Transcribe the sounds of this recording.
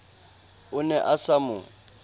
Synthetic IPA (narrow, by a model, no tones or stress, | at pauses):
ʊnɛʔasamʊ